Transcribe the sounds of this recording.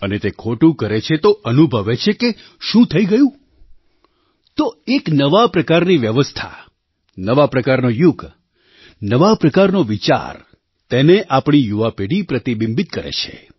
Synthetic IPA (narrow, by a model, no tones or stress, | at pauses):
ənet̪ekʰoʈũkəɾet͡ʃʰet̪oʔənubʱəʋet͡ʃʰeke | ʃũt̪ʰəiɡəjũ | t̪oeknəʋapɾəkaɾniʋjəʋəst̪ʰa̰ | nəʋapɾəkaɾnojuɡ | nəʋapɾəkaɾnoʋit͡ʃa̰ɾ | t̪eneʔapɳ̃ijuʋapeɽipɾət̪ibĩmbit̪kəɾḛt͡ʃʰḛ